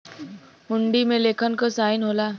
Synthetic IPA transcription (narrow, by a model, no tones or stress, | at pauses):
ɦuɳɖimelekʰənkəsainɦola